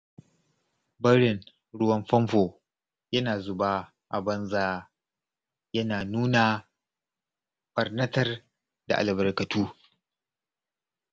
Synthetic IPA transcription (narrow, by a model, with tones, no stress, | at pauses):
bɐ˦ɽɪ˨n | ɽʊ˦wɐ˦mɸɐ˦mɸoː˨ | jɐ˦naː˨zʊ˨baː˦ | ʔa̰˨bɐ˦nzaː˦ | jɐ˦naː˨nuː˦naː˨ | bɐ˨rnɐ˦tɐ˦r | da̰˨ʔa̰˨lbɐ˨rkɐ˨tʰuː˦